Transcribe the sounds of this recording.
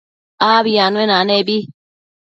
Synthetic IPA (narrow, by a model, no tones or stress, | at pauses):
aːβijanenanebi